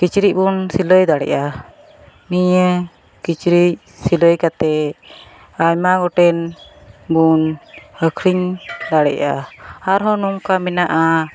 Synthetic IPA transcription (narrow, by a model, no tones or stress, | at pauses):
kit͡ʃɾiʔ̚bunsiləjd̪aɽɛ̰ʔa | niɲə | kit͡ʃɾic̚ | siləjkat̪ɛ | ajmaɡɔʈɛnbunhəkʰɾiɲd̪aɽɛ̰ʔa̰aɾɦɔnuŋkamɛnaʔa